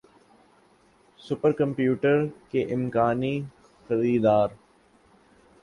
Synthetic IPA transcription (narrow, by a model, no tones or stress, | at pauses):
sʊpəɾkɐ̃mpjuːʈəɾkeʔɪmkaːni | xɐɾiːd̪aːɾ